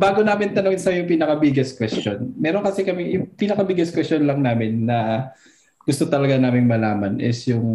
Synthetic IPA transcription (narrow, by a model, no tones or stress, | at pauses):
baːɡonaːmɪnt̪ɐnoŋɪnsɐjʊŋpiːnɐkɐbɪɡɐskwɛstonmɛːɾonkɐsɛkɐmɛjʊŋpiːnɐkɐbɪɡɐskwɛstt͡ʃonlɐŋnaːmɪnːɐ | ɡ̥ʊst̪ot̪ɐlɐɡanaːmɪŋmɐlaːmɐnʔɪ̰sjʊŋ